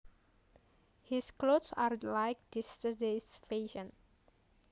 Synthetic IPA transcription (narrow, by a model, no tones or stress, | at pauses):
hisklotsaɹlajk̚distədesfeʃə̃n